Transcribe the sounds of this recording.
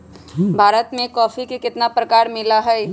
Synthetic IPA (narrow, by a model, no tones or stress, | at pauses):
bʱaːɾət̪mẽkɔːfikekɪt̪napɾɐkaːɾmɪlaɦɛː